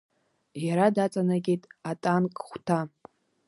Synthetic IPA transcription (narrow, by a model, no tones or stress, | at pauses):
jaɾadat͡sʼanaɡʲetʼatʼankʼχʷtʰa